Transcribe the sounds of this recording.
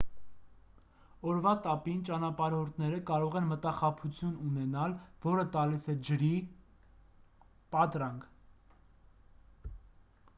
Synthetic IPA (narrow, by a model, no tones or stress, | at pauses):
ɔɾvɑt̪ɑpint͡ʃɑnɑpɑɾhɔɾt̪ʰnɛɾəkɑɾɔʁɛnmət̪ɑχɑpʰut͡sʰjununɛnɑlvɔɾət̪ɑlisɛd͡ʒəɾi | pɑt̪ɾɑŋk